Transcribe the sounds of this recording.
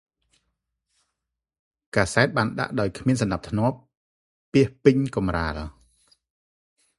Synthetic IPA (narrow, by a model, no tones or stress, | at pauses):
kaːsaɛt̪̚ɓaːnɗa̰ʔɗaɔjkʰmiənsɑnɗap̚t̪ʰnŏəpː | iəhpɨɲkɑmraːl